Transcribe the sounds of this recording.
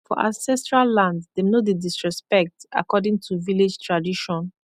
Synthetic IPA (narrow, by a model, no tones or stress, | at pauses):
fɔ̰ʔã̰nsɛstɹalːãndsdenodedisɹɛspɛk̚ta̰kɔdĩŋtʰuvilid͡ʒtʰɹadiʃɔ̃n